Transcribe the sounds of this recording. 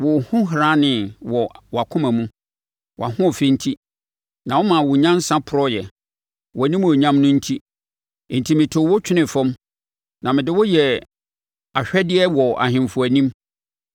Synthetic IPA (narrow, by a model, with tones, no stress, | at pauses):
wʊ˨hʊ̃˦ɦɾã˦nɪ̃˨wɔ˨wɔ˨a˨kʰʊ̃˦mæ̃˨mũ˦ | wʔa˨hʊ̃˦ɔ˨fɪ˦n̩˦tʰi˦ | nã˨wʊ˦mã˨wʊ˨ɲã˦n˦sã˦pʰʊ˨ɾɔ˦jɛ˨ | wɔ˨æ˨nĩ˦m˦ɔ˨ɲã˦mnʊ̃˦n̩˦tʰi˦˨ | n̩˨tʰi˨mɪ̃˨tʰʊ˨wʊ˦t͡ɕᶣɪ˦nɪ̃˨fɔ̃˦m | nã˨mɪ̃˨dɪ˦wʊ˦jɛ˨ | a˨ɕᶣɛ˦dɪ˦ɛ˦wɔ˨ʔa̰˨ɦɪ̃˨m˨fʊ˨æ˨nĩ˦m